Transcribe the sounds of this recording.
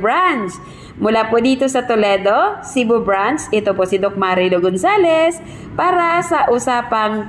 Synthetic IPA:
bɹant͡ʃ | mʊlaːpod̪iːt̪o̞sɐt̪olɛːd̪o̞sibobɹant͡ʃʔɛt̪oposɪd̪ok̚maɾiloɡonsaːlɛs | paːɾɐsɐʔʊsaːpɐŋ

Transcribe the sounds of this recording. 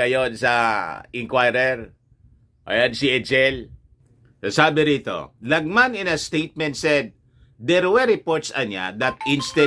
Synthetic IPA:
ɐjonsɐɪŋkwajɾɛɾ | ʔɐ̰jansɪʔɛd͡ʒɛl | sasaːbɪɾiːt̪o̞̰lɐɡ̚manɪ̃nɐst̪ejt̪̚mɛ̃nt̪sɛd̪̚ː | ɛɾwɛɾɪpoɹt̪sɐɲa̰d̪ɐt̪̚ʔɪnst̪ɛ

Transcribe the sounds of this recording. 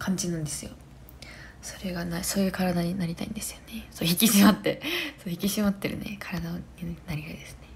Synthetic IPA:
kʰãɲ̟d͡ʑinɯ̃nd̪e̞sɨjo̞ | so̞ɾe̞ɡanaso̞ːjɯ̟ːkaɾad̪aɲ̟inaɾʲit̪a̰ḭnd̪e̞sɨ̥jone̞soçikʲiɕimat̪ːe̞soçikʲiɕimat̪ːe̞ɾɯ̟̰ne̞̰kʰaɾad̪aoɲinaɾʲit̪aid̪e̞sɨ̥ne̞

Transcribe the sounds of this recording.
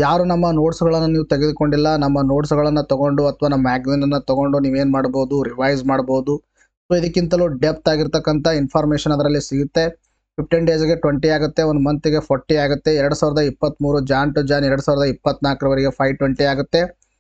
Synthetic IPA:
jaːɾunɐmːɐnoːʈsuɡɐɭɐnːuniːʋut̪eɡed̪uko̞ɳɖilːɐnɐmːɐnoːʈsuɡɐɭɐnːut̪ɔɡo̞ɳɖuɐt̪ʰɐʋaːnɐmɐmaːɡzinɐnːut̪ɔɡo̞ɳɖuniːʋe̞ːnmaːɽboːd̪uɾiʋɐjzmaːɽboːud̪u | soːid̪ɐkːint̪ɐluɖep̚t̪aːɡiɾt̪ɐkːɐnt̪ʰɐinpʰaːɾmeːʂɐnɐd̪ɐɾɐlːisiɡut̪ːe̞ | pʰip̚ʈinɖe̞ːzɡe̞ʈʋɐɳʈiaːɡut̪ːe̞ond̪umɐnt̪iɡe̞pʰɐɾʈːiaːɡut̪ːe̞ɛɾɐɽusaːʋiɾɐd̪ɐipːɐt̪ːmuːɾud͡ʒaːɳʈud͡ʒaːnɛɾɐɽusaːʋɾɐd̪ɐipːɐt̪ːnaːkɾɐʋɐɾiɡe̞pʰɐjʈʋɐɳʈiaːɡut̪ːe̞

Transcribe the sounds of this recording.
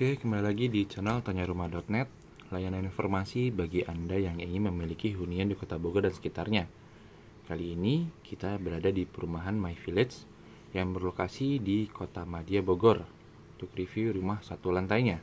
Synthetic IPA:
kakəmbalilaɡidit͡ʃanalt̪aɲaɾumahdɔt̪̚nɛt̪̚ | lajananinfɔrmasibaɡiʔandajaŋiŋɪnməmilikiɦuniandikot̪aboɡɔrdansə̥kit̪arɲa | kaliːnikit̪abəɾadadipəɾumaɦanmajfilɪt̪s | jaŋbərlokasidikʰot̪amadiaboɡɔr | t̪ukɾifiɾumahsat̪ulant̪aiɲa

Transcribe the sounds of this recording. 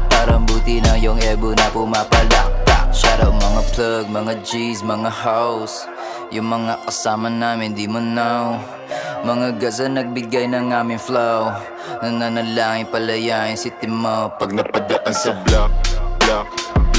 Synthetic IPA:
paːɾɐmbuːt̪ɪnɐjoŋʔɛbonɐpʊmapɐlak̚t̪a̰ʔ̚ʃaɾɐwmɐŋaplaɡ̚mɐŋad͡ʒismɐŋahaws | jʊŋmɐŋakɐsaːmɐnaːmɪnd̪imʊnaw | mɐŋaɡɐsɐnɐɡ̚bɪɡajnɐŋaːmɪnflaw | nɐŋɐnɐlaːŋɪŋpɐlɐjansɪt̪ɪmawpɐɡ̚nɐpɐd̪ɐʔasalak

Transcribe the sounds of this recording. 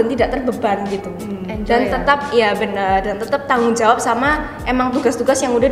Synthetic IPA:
ant̪idaʔt̪ərbəbanɡit̪u | dant̪ət̪ap̚jabənərdant̪ət̪ap̚t̪aŋʊŋd͡ʒawap̚sama | ʔemaŋt̪uɡast̪uɡasjaŋuda

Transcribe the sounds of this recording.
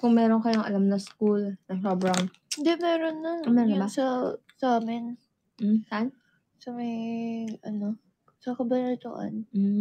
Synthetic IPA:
kʊŋmɛːɾonkɐjoŋʔɐ̰lamnɐŋskulnɐŋobɹaŋ | ɪnd̪ɛʔmɛːɾonːɐɐmɛnsɐsɐʔaːmɪn̩ | saʔan | sɐmɐjʔɐno | sɐkɐbɐnɐt̪ʊ̰ʔɐ̰nm̩

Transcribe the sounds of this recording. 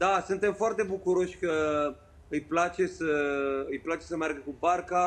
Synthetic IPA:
d̪asunt̪e̞mfoart̪e̞bukuɾo̞ʃʲkə | ɨjplat͡ʃe̞səɨjplat͡ʃe̞səmearɡəkubarka

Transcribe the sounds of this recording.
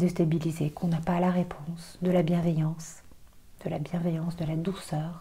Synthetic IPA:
d̪est̪abilizekʰɔ̃napalaʁepʰɔ̃sd̪əlabjɛ̃vejɑ̃s | d̪̥əlabjɛ̃vejɑ̃sd̪əlad̪usœːʁ

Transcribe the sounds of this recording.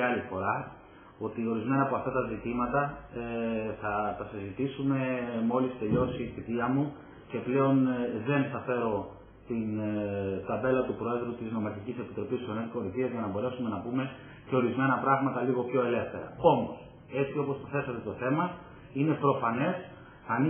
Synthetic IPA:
ɐlifo̞ɾɐ | o̞t̪io̞ɾizme̞nɐːpo̞ɐft̪ɐt̪ɐzit̪imɐt̪ɐ | θɐtɐsizit̪isume̞mo̞list̪e̞ʎo̞siːθit̪iɐmu | ce̞ple̞o̞nðe̞nθɐfe̞ɾo̞ | t̪in | t̪ɐbe̞lɐt̪upɾo̞e̞ðɾut̪izno̞mɐɾçicise̞pit̪ɾo̞pist̪sonetko̞ɾiθiɐzʝɐnɐbo̞ɾe̞sume̞nɐpume̞ | ce̞o̞ɾizme̞nɐpɾɐɣmɐt̪ɐliɣo̞pço̞e̞le̞fθe̞ɾɐ̰o̞mos | e̞t͡sio̞po̞sθɐθe̞sɐt̪e̞t̪o̞θe̞mɐ | ine̞pɾo̞fɐne̞s | ɐni

